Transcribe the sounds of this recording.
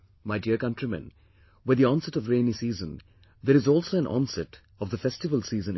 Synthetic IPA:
maɪɖiəɾkʌ̃nʈɾimə̰̃n | wɪd̪iɔ̃nsɛʈɔvɾẽːnisiːzə̃n | d̪eːɾɪzɔːlsoːæ̃nʔɔ̰̃nsɛt | ɔvd̪əfɛsʈɪʋəlsiːzə̃n

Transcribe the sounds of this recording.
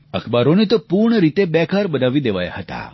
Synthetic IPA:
ə̰kʰbaɾonet̪opuɾɳəɾit̪ebɛkʰaɾbənaʋid̪eʋa̰ja̰ɦət̪a̰

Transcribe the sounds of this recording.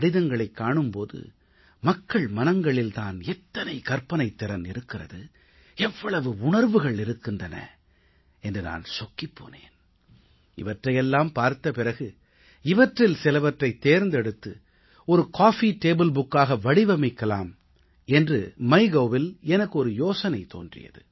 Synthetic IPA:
ɽɪðɐŋɡɐɭɐɪkːaːɳɯmpoːðɯ̰ | mɐkːɐɭmɐnɐŋɡɐɭɪlt̪aːnɛt̪ːɐnɐɪkɐɾpɐnɐɪt̪ːɪɾɐnɪɾɯkːɪrɐ̰ðɯ | ɛʋːɐɭɐʋɯʊɳɐɾʋɯɣɐɭɪɾɯkːɪndrɐnɐ̰ | ɛndrɯna̰ːnsɔkːipːo̰ːnḛːn | ɪ̰ʋɐʈrɐjɛlːaːmpaːɾt̪ːɐpɪɾɐɣɯ | ɪʋɐʈrɪlsɪlɐʋɐʈrɐɪt̪ːeːɾnd̪ɛɽɯt̪ːɯ | ɔɾɯkaːfiːʈeːbɯlbʊkːaːɣɐʋɐɽɪʋɐmɐɪkːɐlaːm | ɛndrɯmɐɪɣoːʋɪlɛnɐkːɯɔɾɯjoːsɐnɐɪt̪o̰ːndrɪ̰jɐ̰ðɯ̰

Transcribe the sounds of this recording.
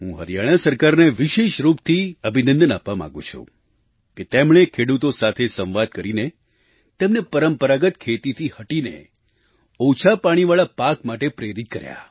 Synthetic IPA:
ɦṵ̃ɦəɾijaɽ̃asəɾkaɾneʋiʃeʃɾupt̪ʰiəbʱinə̃nd̪ənapʋamã̰ɡṵ̃t͡ʃʰṵ | ket̪emɳ̃ekʰeɽut̪osat̪ʰesə̃ʋʋad̪̚kəɾine | t̪emnepəɾəmpəɾaɡət̪kʰet̪it̪ʰihəʈinḛ | ot͡ʃʰapaɽ̃iʋaɭapakmaʈepɾeɾit̪̚kəɾja̰

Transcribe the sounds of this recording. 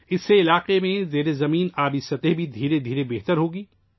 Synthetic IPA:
ɪsːeɪlaːqemẽzeːɾezɐmiːnaːbɪsɐt̪eɦbʱid̪ʱiːɾed̪ʱiːɾebeːɦt̪əɾɦoːɡiː

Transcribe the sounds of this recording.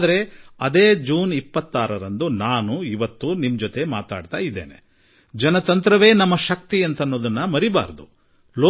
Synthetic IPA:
d̪ɐɾe̞ɐd̪eːd͡ʒuːnipːɐt̪ːaːɾɐɾɐnd̪unaːnuiʋɐt̪ːunimd͡ʒot̪e̞maːt̪a̰ːɖt̪aːjid̪ːeːnḛ | d͡ʒɐnɐt̪ɐnt̪ɾɐʋe̞ːnɐmːɐʃɐk̚t̪iɐnt̪ɐnːoːd̪ɐnːɐmɐɾiba̰ːɾd̪u | loː

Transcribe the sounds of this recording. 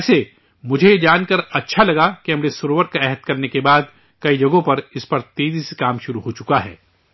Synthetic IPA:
ɛːse | mʊd͡ʒʱeed͡ʒaːnkɐɾɐtːʃʰalɐɡakiɦɐmɾesʊɾoːʋəɾkaɛɦət̪̚kɐɾnekebaːd̪ | kɐid͡ʒɐɡõpɐɾɪspɐɾt̪eːzise̥kaːmʃʊɾuɦot͡ʃʊkaɦɛ̰ː

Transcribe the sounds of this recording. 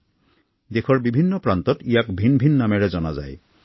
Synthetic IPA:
d̪ekʰɔɹbibʱinːɔpɹantɔtijakbʱinbʱinːamɛɹɛzɔna̰za̰j

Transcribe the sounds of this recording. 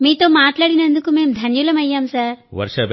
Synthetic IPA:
miːt̪oːmaːt̪laːɽinɐnd̪ukumeːmd̪ʱɐnjulɐmɐjːaːmsaːɾʋɐ̰ɾʂɐb

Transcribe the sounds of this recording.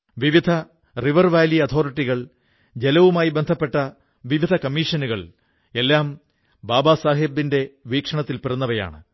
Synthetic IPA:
ʋiʋid̪ʱɐ | riʋɐrʋaːliɐt̪ʰo̞ːriʈːiɣɐɭ | d͡ʑe̞lɐʋumaːjibe̞nd̪ʱɐpːe̞ʈːɐ | ʋiʋid̪ʱɐkɐmːiːʂɐnuɣɐɭ | e̞lːaːm | baːbaːsaːɦibːinde̞ʋiːkʂɐɳɐt̪ːilpirɐnːɐʋɐja̰ːɳɨ̰

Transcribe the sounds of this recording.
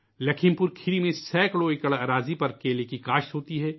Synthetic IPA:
lɐkʰɪ̃mpʊɾkʰɪɾimẽsɛːkɽoɪkəɭaɾaːzipɐɾkeːlekikaːʃɦoːt̪iɦɛː

